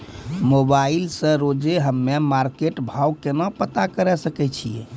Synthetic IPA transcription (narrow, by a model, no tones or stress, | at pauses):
mobailsə̃ɾod͡ʒeɦəmːemaɾkeʈbʱawkenɔpət̪akəɾɛsəkɛt͡ʃʰije